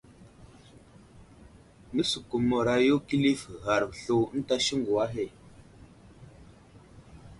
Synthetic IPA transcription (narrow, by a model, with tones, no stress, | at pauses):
mə˦su˨ku˨mə˨ɾa˨jo˦ki˦li˦fɣa˨ɾɬo˨˦n̩˦ta˦ʃi˦ŋɡu˨a˦ɦe˦˨